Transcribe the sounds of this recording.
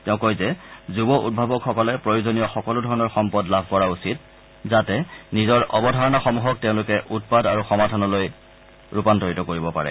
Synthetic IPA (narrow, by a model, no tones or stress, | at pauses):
tɛʊ̃kojzɛzubɔʔṵd̚bʱabɔkxɔkɔlɛpɹojuzonijɔxɔkɔludʱɔɹɔnɔɹxɔmpɔdlabʱkɔɹausit̚ | zatɛnizɔɹʔɔbɔdʱaɹɔnaxɔmuɦɔk̚teʊ̃lʊkɛʔut̚padaɹuxɔmadʱɔnɔloj | ɹupantɔɹitɔkoɹibɔpa̰ɹɛ̰